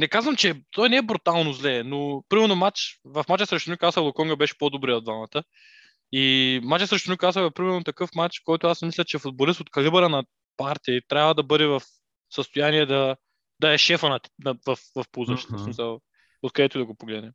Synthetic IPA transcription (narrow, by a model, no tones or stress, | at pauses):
nɛkazvɐmt͡ʃɛt̪ɔjnɛɛbɾut̪alˠnozlɛnopɾimɛɾnomat͡ʃvɐfmat͡ʃəsɾɛʃt̪ʊnʲukasəlˠokɔŋɡɐbɛʃɛ̥pod̪obɾɛod̪vamɐt̪ə | imat͡ʃəsɾɛʃt̪ʊnʲukasəvɐpɾimɛɾnot̪ɐkɤfmat͡ʃkɔjt̪ʊasmislʲɐt͡ʃɛfʊd̪̚bolist̪ot̪kɐlibəɾənɐ | paɾt̪ʲiət̪ɾʲavɐd̪ɐbɤd̪ɛvɐf | səst̪ojaniɛd̪ɐ | d̪ɐɛʃɛfɐnɐt̪nɐvɐfvɐfpuzɐt͡ʃt̪ɛsmisəlˠ | ot̪kɐd̪ɛt̪ʊid̪ɐɡopoɡlɛd̪nɛ